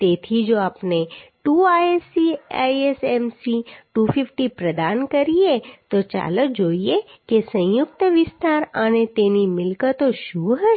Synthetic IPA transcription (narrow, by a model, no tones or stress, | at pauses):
t̪eːt̪ʰid͡ʒoːaːpneʈuːaːesia̰ːiɛsɛːmsiʈuːfʰɪfʰʈipɾəd̪aːnkəɾiet̪ot͡ʃa̰ːləkd͡ʒoːiekesə̃jʊk̚t̪əʋɪst̪aːɾaːnet̪eːnimɪlkət̪oʃuːɦə